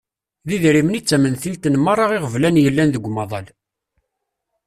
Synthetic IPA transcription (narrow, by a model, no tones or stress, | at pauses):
ðiðɾimnit͡sːæmənθilt̪ənmɑɾˤːɑʁɪʁəvlænjəlːænðəɡʷːmɑðˤɑl